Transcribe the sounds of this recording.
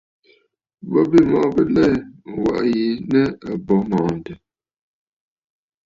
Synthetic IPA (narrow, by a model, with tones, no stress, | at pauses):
bɔ˦bi˦˨mɔ˨˦bə˦lɛ˦˨wa̰˨ʔji˨˦nə˦ə˨bɔ˨˦mɔː˨n̩˨də˨